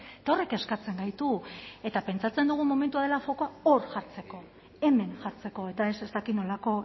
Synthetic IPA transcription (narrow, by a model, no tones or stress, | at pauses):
et̪aore̞ke̞skat͡se̞ŋɡajt̪ue̞t̪ape̞nt͡sat͡se̞nd̪uɣ̞umo̞me̞nt̪uaðe̞lafo̞koao̞ɾʝaɾt͡se̞ko̞ | e̞me̞ŋʝaɾt͡se̞ko̞e̞t̪ae̞sest̪akit̪no̞lako̞